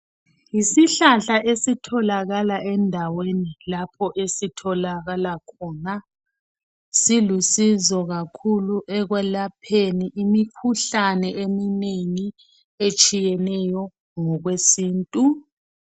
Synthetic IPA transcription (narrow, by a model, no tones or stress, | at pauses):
jisiɬaɬaʔesitʰɔlaɣalaʔɛndʱawenilapʰɔʔesitʰɔlaɣalakʰɔːna | silusizɔɣakʰuluʔɛɣwɛlapʰeniʔimikʰuɬanɛʔemineŋi | et͡ʃʼijɛnɛjɔ | ŋɔɣwesiːntʼu